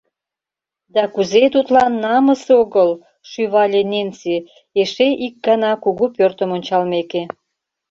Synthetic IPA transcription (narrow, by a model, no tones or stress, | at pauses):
d̪ɑkuzet̪ut̪lɑnːɑməseoɣəl | ʃyβɑlʲenent͡si | eʃeʔik̚ɡɑnɑkuɣupørt̪əmonʲt͡ɕɑlmeke